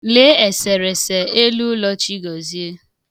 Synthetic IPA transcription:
le˨˦e˨se˨ɾe˨se˨e˦lu˦lɔ˦t͡ʃi˦ɡɔ˨zi˦e˦

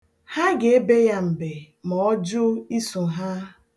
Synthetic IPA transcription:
ha˦ɡe˨e˦be˦ja˦m̩˨be˨ | mɔ˨ɔ˦d͡ʒʊ˦i˦su˨ɦa˦

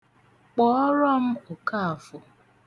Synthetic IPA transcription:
k͡pɔ˦ɔ˦ɾɔ˦m̩˦ʊ˨ka˦a˨fʊ˨

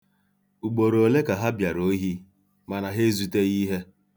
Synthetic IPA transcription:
u˨ɡ͡bo˨ɾo˨le˦ka˨ɦa˦bja˨ɾo˦ɦi˦ | ma˨na˨ɦe˦zu˨˦te˦ɣi˦ɦe˦

